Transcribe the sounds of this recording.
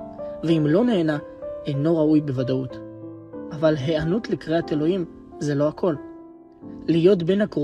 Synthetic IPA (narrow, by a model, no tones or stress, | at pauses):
veimlo̞ne̞ːnaejno̞ʁaujbe̞vadaut | ʔavalɦe̞anutlikʁeate̞lo̞him | ze̞lo̞akʰo̞l | lijo̞tbe̞nhakʁo